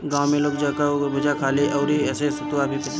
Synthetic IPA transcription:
ɡãːwmẽloːɡd͡ʒaːkaobɐd͡ʒakʰaːleʔɔːɾɦiɛːsesʊt̪uabʱipɪʈ

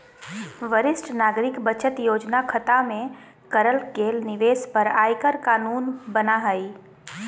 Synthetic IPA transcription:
ʋəɾɪsʈnaːɡɾɪkbət͡ʃət̪joːd͡ʒnakʰət̪amẽ | kəɾəlkeːlnɪʋeːspəɾaːjkəɾkaːnuːnbənaɦəi

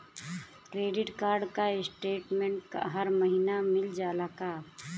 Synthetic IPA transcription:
kɾeːɖɪʈkaːɾɖkaɪsʈeːʈmẽɳʈka̰ɦɐɾməɦiːnamɪld͡ʒaːlaːkaː

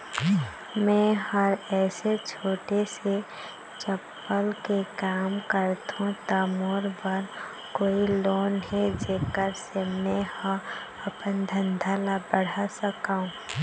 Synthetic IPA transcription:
mɛ̃həɾɛːset͡ʃʰoːʈese | t͡ʃəpːəlkekaːmkəɾt̪uõt̪aːmoːɾbəɾ | koːiloːnɦɛd͡ʒeːkəɾsemɛ̃hã | əpənd̪ʱə̃nd̪ʱaːlabəɽ̤asəkaːũː

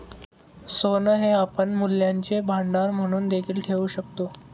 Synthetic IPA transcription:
sonəɦeapəɳmulːjaɲt͡ɕebʱaɳɖaɾm̤əɽ̃uːnd̪ekʰiːlʈʰeʋuːɕək̚t̪o

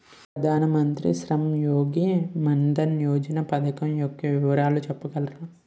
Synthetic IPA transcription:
pɾɐd̪ʱaːnɐmɐnt̪ɾḭʃɾɐmjoːɡimɐnd̪ɐnjoːd͡ʒɐnɐpɐd̪ʱɐkɐmjokːɐʋɪʋɐɾaːlut͡ʃɛpːɐɡɐlɾaːm

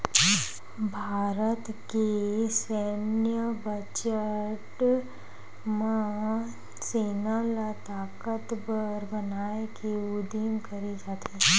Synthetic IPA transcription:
bʱaːɾət̪kesɛnjəbət͡ʃəʈ | mã | seːnalat̪aːkət̪bəɾbɐnaːekeud̪imkɐɾid͡ʒaːt̪i

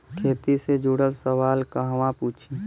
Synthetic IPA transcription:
kʰeːt̪ised͡ʒuɽəlsəʋaːlkəɦʋãpuːt͡ʃʰi

